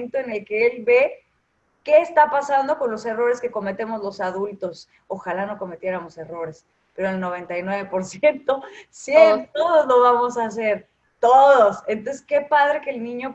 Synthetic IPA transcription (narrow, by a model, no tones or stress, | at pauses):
nt̪o̞ene̞lke̞elβe̞ | ke̞ːst̪apasand̪o̞ko̞nlo̞se̞ro̞ɾe̞ske̞ko̞me̞t̪e̞mo̞zlo̞saðult̪o̞s | oxalano̞ko̞me̞t̪je̞ɾamo̞se̞ro̞ɾe̞s | pe̞ɾoelno̞β̞e̞nt̪ajnwe̞β̞e̞po̞ɾsje̞nt̪o̞sit̪oðozlo̞βamo̞sas̬e̞ɾ | t̪oðosent̪onseske̞paðɾe̞keːlnĩɲo̞